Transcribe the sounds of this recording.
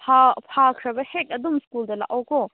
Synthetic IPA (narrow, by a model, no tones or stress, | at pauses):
pʰapʰaːkʰɾɐbɐheʈɐd̪umskuːld̪ɐla̰ʔoːko